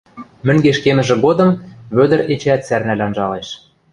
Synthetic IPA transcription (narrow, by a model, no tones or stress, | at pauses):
mɘ̆ŋɡeʃkemɘ̆ʒɘ̆ɣod̪ɤ̆mβød̪ə̆ɾet͡ɕeæt̪særnælʲɑnʒɑleʃ